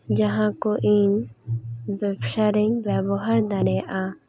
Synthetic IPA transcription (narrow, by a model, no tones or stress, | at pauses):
d͡ʒaɦãkɔʔin | bɛbʃaɾiɲbabɔɦaɾd̪aɽɛjaʔa